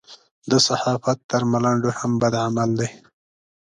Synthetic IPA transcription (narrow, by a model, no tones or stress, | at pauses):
d̪əsahɑfat̪ːəɾmalaɳɖohambad̪ʕamald̪aj